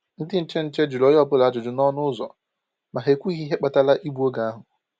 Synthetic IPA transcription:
n̩˦dɪ˦n̩˦t͡ʃe˦n̩˦t͡ʃe˦d͡ʒʊ˨lo˦jɔ˦˨pʊ˦la˦d͡ʒʊ˨d͡ʒʊ˨nɔ˦nʊ˦ʊ˦zɔ̰˨ | ma˨ɦe˨kʷu˦i˦ɦi˦ɦe˦k͡pa˨ta˦la˦ʔi˦bu˦o˦ɡa˨a˦ɦʊ˨

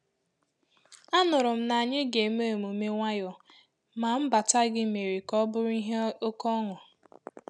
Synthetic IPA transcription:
a˦nʊ˨ɾʊ˨m̩˦na˨ɲɪ˦ɡe˨m˦e˦˨mu˨me˦ŋʷa˦jɔ˨ | ma˨m̩˦ba˨ta˦ɡɪ˦me˨ɾi˨kɔ˦bʊ˦ɾʊ˦i˦ɦe˦o˦kɔ˦ŋʊ˨

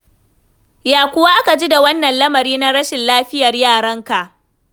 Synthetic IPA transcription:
jaː˨kʷʊ˦wa˦ʔa˦ka˨d͡ʒi˦da˨wɐ˦nːɐ˨nlɐ˦mɐ˨ɾiː˦na˦ɽɐ˦ʃɪ˨nlaː˦ɸɪ˦jɐ˨rjaː˦˨ɽɐ˦ŋka˨ʔ

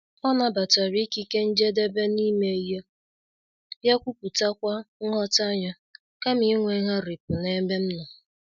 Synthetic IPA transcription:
ɔ˦na˦ba˨ta˨ɾi˦ki˦ke˦n̩˦d͡ʒe˦de˦be˦ni˦me˦je˦ | ja˦kʷu˦pu˨ta˦kʷa˦ŋ̩˦ŋɔ˦ta˦ɲɔ˦ | ka˦mi˦ŋʷe˨˦ɦa˦ɾi˨pʊ˨ne˦me˦m̩˦nɔ˨

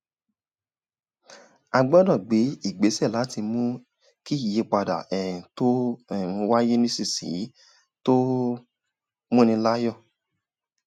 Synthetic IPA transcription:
a˧ɡ͡bɔ˦dɔ̃˦˨ɡ͡be˨˦i˦˨ɡ͡be˨˦sɛ˦˨la˨˦ti˧mũ˦ | ki˦i˦˨je˧k͡pa˧da̰˨ɛ˨ĩ˨to˦ɛ˦˨ũ˧wa˦je˦nĩ˦si˦˨sḭ˨˦ | to˦ | mũ˦nĩ˧la˦jɔ˦˨

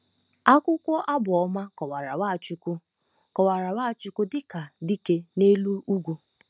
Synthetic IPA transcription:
a˦kʷʊ˦kʷɔ˦ʔa˦bʊ˨ɔ˦ma˦kɔ˨wa˨ɾa˨wa˦˨t͡ʃu˦kʷʊ˦ | kɔ˨wa˨ɾa˨wa˦˨t͡ʃʊ˦kʊ˦dɪ˦ka˨di˦ke˦ne˦lu˦u˦ɡʷu˦

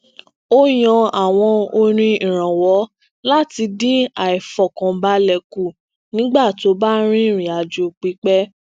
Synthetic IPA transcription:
o˦j̃ɔ̃˧a˨w̃ɔ̃˧o˧ɾ̃ĩ˧ĩ˨ɾ̃ã˨wɔ˨˦ | la˦ti˧di˦a˨i˨fɔ˨kã˨ba˧lɛ˨ku˨ | nĩ˦ɡ͡ba˦˨to˨˦ba˦ɾ̃ĩ˦˨ɾ̃ĩ˨a˨d͡ʒo˧k͡pi˨˦k͡pɛ˦

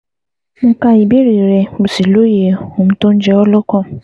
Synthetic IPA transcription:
mʊ̃˦ka˦ji˨be˦ɾi˨ɾe˨bu˨si˨lo˦je˨hũ˨m̩˨tõ˦n̩˦d͡ʒɛ˨˦wɔ˦lʊ˦kɔ̃˦

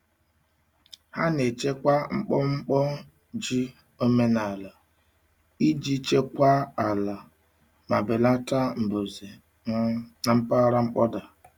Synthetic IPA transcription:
ha˦ne˨t͡ʃe˦kʷa˦ŋ͡m̩˦k͡pɔ˦ŋ͡m̩˦k͡pɔ˦ | d͡ʒi˦ | o˦me˦na˨la˨ | i˦d͡ʒi˦t͡ʃe˦kʷa˦a˨la˨ | ma˨be˨la˦ta˦m̩˨bo˨ze˨ | a˨ŋ͡m̩˦pa˦ɾa˦ŋ͡m̩˦k͡pɔ˦da˨

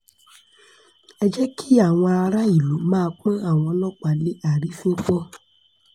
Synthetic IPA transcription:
ɛ˦d͡ʒɛ˦ki˦a˦˨w̃ɔ̃˧a˧ɾa˦i˨lu˨˦mãː˦˧k͡pã˦a˦˨w̃ɔ̃˧lɔ˦k͡pa˨le˦a˨ɾi˨˦fũ˦k͡pɔ˦

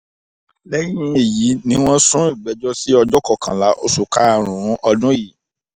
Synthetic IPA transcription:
lɛ˦ɾĩ˦ĩ˦e˨ji˨˦nĩ˦w̃ɔ̃˦sũ˦i˦˨ɡ͡bɛ˨˦d͡ʒɔ˦si˦ɔ˧d͡ʒɔ˦kɔ˦˨kã˨la˨˦ʔo˧su˨ka˦˨ɾ̃ũ˨˦ɔ˧dũ˦i˦˨

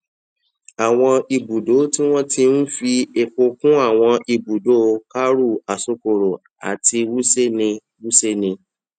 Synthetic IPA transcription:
a˨w̃ɔ̃˧i˧bu˨do˨˦ti˦w̃ɔ̃˦ti˧n̩˦fi˧e˨k͡po˧kũ˦a˦˨w̃ɔ̃˧i˧bu˨do˦ka˦ɾu˦˨a˨so˧ko˨ɾo˨ | a̰˨ti˧wu˦se˦nĩ˧ | wu˦se˦nĩ˧

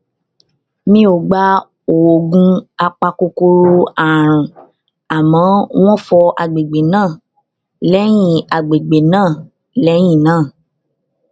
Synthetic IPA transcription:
nĩ˦o˨ɡ͡ba˧˦ | o˨o˨ɡũ˧a˧k͡pa˧ko˧ko˧ɾo˧a˨ɾ̃ũ˨ | a˨mɔ̃˨˦w̃ɔ̃˦fɔ˧ʔa˨ɡ͡be˨ɡ͡be˨nãː˦˨ | lɛ˦j̃ĩ˦˨a˨ɡ͡be˨ɡ͡be˨nãː˦˨ | lɛ˨˦j̃ĩ˦˨nãː˦˨

